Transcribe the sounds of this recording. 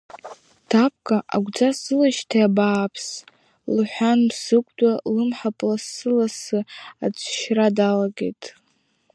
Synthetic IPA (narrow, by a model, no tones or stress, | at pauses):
tʰap̚ʰʼkʼaʔa̰ɡʷd͡zasɨlaʃtʰaabaːpʰs | lħʷᶣansɨkʷʼdʼalɨmħapʼlasɨlasɨad͡ʒʷʰʼʃradalaɡe̞̰jtʼ